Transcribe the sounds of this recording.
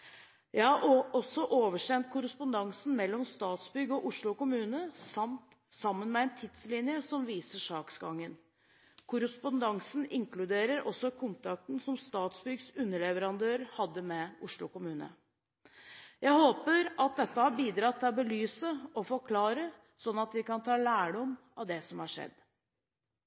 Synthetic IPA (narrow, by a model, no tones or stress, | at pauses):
jæɪhɑʔɔsːɔʔoːʋəʂɛnt̪̚kʰʊɾəspʊnd̪ɑŋsn̩mɛlːɔmst̪ɑːt̪sbʏɡɔʔʊʂɭʊkʊmʉːnəsɑmt̪ | sɑmːənmɛɛɪnt̪ʰɪt̪slɪnjəsɔmʋiːsəʂɑːksɡɑŋːən | kʰʊɾəspʊnd̪ɑŋsnɪŋkʰlʉd̪eːɾəɾʔɔ̰sːɔkʰʊnt̪ʰɾɑk̚t̪n̩sɔmst̪ɑːt̪sbʏɡsʉnːəɭɛʋəɾɑnd̪øːɾhɑd̪ːəmɛʊʂɭʊkʊmʉːnə̰ | jʔæɪhoːpəɾʔɑt̪̚d̪ɛt̪ːəhɑbiːd̪ɾɑt̪ʰːɪlbəlyːsəɔfɔkʰlɑːɾə | sɔnːɑt̪ʋɪkɑnt̪ʰɑːlæːɖɔm | ɑʋd̪ɛsɔmhɑʂɛ̰d̪